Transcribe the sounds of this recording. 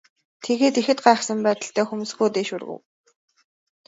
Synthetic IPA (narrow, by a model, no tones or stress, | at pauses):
t̪ʰeɣeːt̪ixɘ̆t̪̚ɢaːχsə̆mpæːt̪ə̆ɬt̪ʰæːxumusɡuːt̪eːʃurɣɘ̰̆w